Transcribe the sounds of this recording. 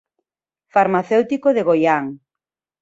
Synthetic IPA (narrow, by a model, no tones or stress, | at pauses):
faɾmaθewt̪ikoðeɣojaŋ